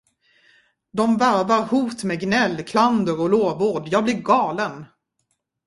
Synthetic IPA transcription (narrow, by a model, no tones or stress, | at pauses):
d̪ɔmvæɾvaɾhuːt̪meːɡnɛlːkʰland̪əɾɔloːvoːɖjɑːɡ̚blɪɾɡɑːlən